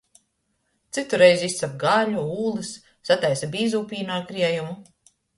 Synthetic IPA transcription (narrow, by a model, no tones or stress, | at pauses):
t̪sit̪uɾejzist̪sap̚ɡaʎuuːlˠɨsː | at̪ajsabiːzuːpʲiːnaɾkɾiɛjumu